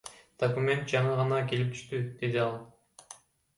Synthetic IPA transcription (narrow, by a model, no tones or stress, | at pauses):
d̪̥okumʲe̞nt̪̚d͡ʒɑɴɯʁɑnɑke̞lip̚t̪ʰy̥ʃt̪yd̪̥e̞d̪iɑlˠ